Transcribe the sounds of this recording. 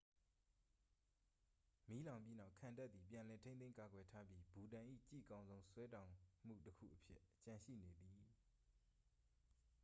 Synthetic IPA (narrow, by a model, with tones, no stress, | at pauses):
mi˦lã˨ʊ̃mpji˦na˦ʊkʰã˨nta˦t̪̚ði˨pjã˨lɛ˨tʰẽ˦nẽ˦ka˨ɡwɛ˨tʰa˦bji˦bu˨dã˨ʔḭ˦˨t͡ɕḭ˦˨kã˦ʊ̃nzõ˦ʊ̃swɛ˦tã˨ʊ̃m̥ṵ˦˨təkʰṵ˦˨ʔəpʰjɪ̰˦ʔt͡ɕã˨ʃḭ˦˨ne˨d̪i˨